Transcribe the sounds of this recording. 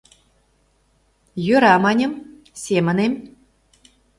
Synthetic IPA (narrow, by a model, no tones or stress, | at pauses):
jøɾɑmɑnʲə̆m | sʲemə̆nem